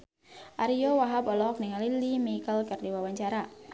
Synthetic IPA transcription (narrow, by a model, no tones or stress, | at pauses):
ʔaɾijowaɦabɔlɔk̚niŋalilimikəlkərdiwawaɲt͡ʃaɾa